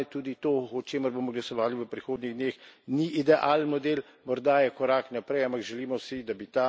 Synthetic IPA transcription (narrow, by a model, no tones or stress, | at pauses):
ɛt̪uːd̪it̪oːɔt͡ʃeːməɾbomɔɡlasɔʋaːliʋəpɾixoːd̪niɣd̪neːxniʔid̪ɛʔaːlnmɔd̪eːl | mɔɾd̪ajɛkɔɾaknapɾɛjampaɡʒɛliːmɔwsid̪abit̪a